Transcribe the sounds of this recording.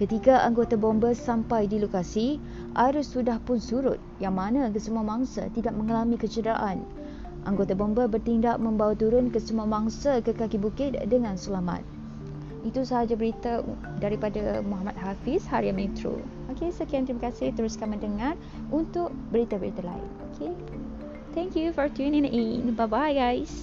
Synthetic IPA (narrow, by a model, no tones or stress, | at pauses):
kət̪ikaʔaŋɡot̪abɔmbəsampajdilokasi | ʔaɾʊsːudahpʊnsuɾʊ̰t̪̚jaŋmanãk̬əsəmuamaŋsa̰t̪idaʔ̚mə̃ŋalamĩkət͡ʃədɾaʔan | ʔaŋɡot̪abɔmbəbərt̪indaʔ̚mə̃mbawat̪uɾʊnkəsəmuamaŋsakəkakibukɪt̪̚dəŋãnsəlama̰t̪̚ | it̪usaɦad͡ʒabəɾit̪a | daɾipadamuɦamat̪̚ɦafɪshaɾiamɛ̃t̪ɾṵ | okesəkiant̪ɾimakasɪht̪əɾʊskamə̃ndəŋar | unt̪ʊʔbəɾit̪abəɾit̪ala̰ɪ̰nokʰe | t̪ɛ̃ŋkjufɔɹt̪unĩŋinbabajɡajs